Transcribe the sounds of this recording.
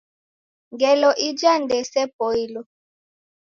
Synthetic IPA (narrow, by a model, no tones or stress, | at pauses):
ŋɡɛlɔʔid͡ʒandɛsɛpɔilɔ